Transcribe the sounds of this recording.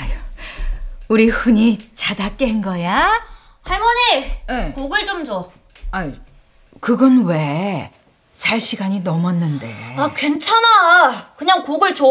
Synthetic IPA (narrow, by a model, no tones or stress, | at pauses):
ajo | uɾiɸuɲit͡ɕadak͈̚eɦenɡʌja | haɭmʌɲijekoɡɯɭt͡ɕomd͡ʑo | ai | kɯɡʌnwe̞ | t͡ɕaɭɕʰiɡaɲinʌmʌnːɯnde̞̰akwe̞nt͡ɕʰanakɯɲaŋkoɡɯɭt͡ɕo